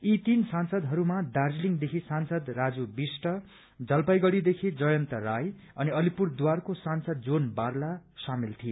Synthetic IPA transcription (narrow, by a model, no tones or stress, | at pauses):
it̪insansʌd̪ɦʌɾumad̪ard͡zliŋd̪ekʰisansʌd̪rad͡zubisʈʌ | d͡zʌlpajɡʌɽid̪ekʰid͡zʌjʌnt̪ʌraj | ʌniʌlipurd̪warkosansʌd̪̚d͡zonbarlasamilt̪ʰie